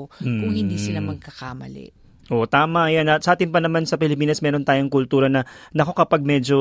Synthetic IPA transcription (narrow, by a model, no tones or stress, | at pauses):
kʊŋhɪnd̪iːsɪlamɐɡ̚kɐkamɐ̰lɛ̰ʔ | ʔoʔt̪aːmɐʔɐjanɐsɐʔaːt̪ɪnpɐnɐmansɐpɪlɪpiːnɐsmɛːɾo̞nt̪aːjoŋkʊlt̪uːɾɐnɐnɐko̞kɐpaɡ̚mɛd͡ʒo̞